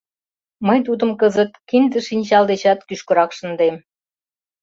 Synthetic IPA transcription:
məjt̪̬ud̪ə̆mkəzət̪̚kind̪ə̆ʃinʲt͡ɕɑld̪et͡ɕɑt̪kyʃkə̆ɾɑkʃə̆nd̪em

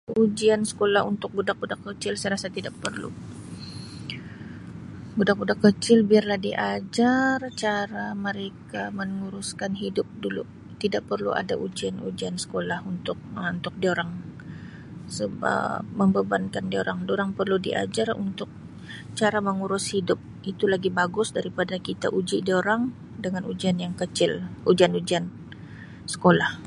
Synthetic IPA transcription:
ud͡ʒiansə̥kolahunt̪ʊk̚budak̚budakːət͡ʃɪlsəjɾasat̪idaʔpərlṵ | budak̚budakːət͡ʃɪlbiarlahdiʔad͡ʒart͡ʃaɾaməɾekaməŋuɾʊskanɦidʊp̚dulṵ | t̪idaʔ̚pərlṵa̰da̰ʔud͡ʒianṵd͡ʒiansə̥kolahunt̪ʊk̚nt̪ʊk̚dioɾaŋ | səba̰məmbəbankandioɾaŋdoɾaŋpərludiʔa̰d͡ʒarṵnt̪ʊk̚ | t͡ʃaɾaməŋuɾʊshidʊp̚ʔit̪ulaɡibaɡʊsdaɾipadakit̪a̰ʔud͡ʒidoɾaŋ | dəŋanud͡ʒianjaŋkət͡ʃɪlud͡ʒianud͡ʒian | sə̥kolah

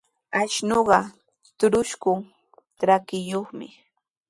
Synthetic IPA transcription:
aʃnoɢɑ | t̪ʊɾʊʃkʊŋ | t̪ɾakɪjoχmɪ̰

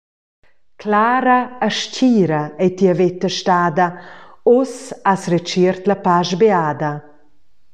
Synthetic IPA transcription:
kʰlaːɾaːʃciːɾɐɛt̪iəvet̪ːəʃtaːd̪ɐosasret͡ʃiɾt̪lɐpaʃbeaːd̪ɐ

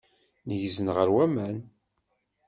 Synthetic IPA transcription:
nəʝzənʁəɾwæmæn

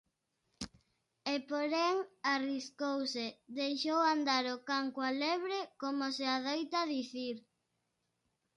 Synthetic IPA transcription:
epoɾeŋariskowsed̪ejʃowand̪aɾokaŋkwaleβ̞ɾekomoseaðojt̪aðiθiɾ

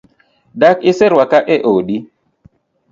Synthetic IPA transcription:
dakɪsɛɾwakaʔɛʔoɗi

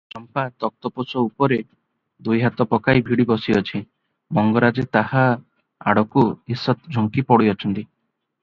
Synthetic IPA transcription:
t͡ʃɔmpat̪ɔk̚t̪ɔposɔupɔɾe | d̪ujɦat̪ɔpɔkajbʱiɽibɔsiɔt͡ʃʰi | mɔŋɡɔɾad͡ʒet̪aɦa | a̰ɽɔkuɦisːɔt̪d͡ʒʱɔŋkipɔɽiɔt͡ʃʰɔnt̪i

